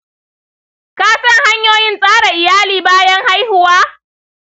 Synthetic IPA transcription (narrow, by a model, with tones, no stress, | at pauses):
kaː˦sɐ˦ŋha˦ɲjoː˦jɪ˦nsʼaː˦ɽa˨ʔɪ˨jaː˦liː˨baː˦jɐ˦ŋha˦jhʊ˨waː˦